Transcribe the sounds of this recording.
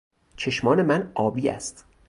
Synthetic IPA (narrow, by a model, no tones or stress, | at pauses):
t͡ʃʰe̞ʃmɒːne̞mænɒːbiːæ̰st̪